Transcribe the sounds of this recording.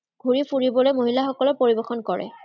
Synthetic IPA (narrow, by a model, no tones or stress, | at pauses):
ɡ̥ʱuɹipʰuɹibɔlojmoɦilaxɔkɔlɔpoɹibɛxɔnkɔɹɛ̰